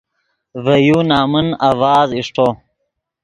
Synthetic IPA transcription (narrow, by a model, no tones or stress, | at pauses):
vɐjuːnaːmunawaːziʂʈʰo